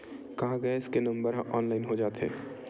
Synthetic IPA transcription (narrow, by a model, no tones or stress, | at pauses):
kɐɦãɡɐeɪskenɐ̃mbəɾɦɐ̃ʔɔːnlaːɪnɦod͡ʒaːt̪ɦɛ̰ː